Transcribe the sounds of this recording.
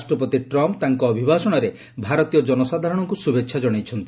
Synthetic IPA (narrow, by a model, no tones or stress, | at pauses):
sʈɾɔpɔt̪iʈɾɔmpt̪aŋkɔːbʱibʱasɔɽ̃ɔɾe | bʱaɾɔt̪ijɔd͡ʒɔnɔsad̪ʱaɾɔɽ̃ɔŋkusubekʃʰad͡ʒɔɽ̃ejt͡ʃʰɔnt̪i